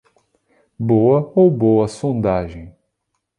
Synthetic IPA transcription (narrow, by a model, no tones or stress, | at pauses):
bowɐowbowɐsõnd̪aʒẽj̃